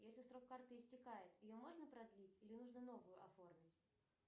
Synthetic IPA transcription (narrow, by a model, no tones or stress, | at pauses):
jesʲlʲɪsɾo̞kːart̪ɨɪsʲtʲɪkajɪt̪jɪjomo̞ʐnəpɾɐd̪lʲitʲilʲɪnuʐnəno̞vʊjʊʔɐfo̞rmʲɪtʲ